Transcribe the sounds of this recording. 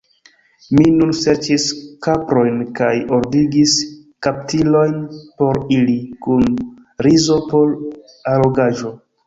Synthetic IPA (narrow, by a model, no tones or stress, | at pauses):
minunse̞ɾt͡ʃiskapɾo̞jnkajo̞ɾdiɡis | kap̚tilo̞jnpo̞ɾilikun | ɾizo̞po̞l | alo̞ɡaʒo̞